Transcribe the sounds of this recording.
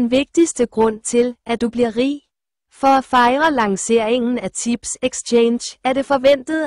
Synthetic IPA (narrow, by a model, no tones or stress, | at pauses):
nʋe̝ɡ̥̚d̥isd̥əɡ̥ʁɔ̽n̰t͡sʰe̝lʔæd̥ub̥liɐʁḭː | fɒ̽æfɑ̈ɪʁɐlɑ̈ŋse̝ɐ̰e̝ŋn̩æt͡sʰib̥seɡ̥st͡ɕʰeːnɕæɐɾe̝fɒ̽ʋen̰d̥ð̩ˠ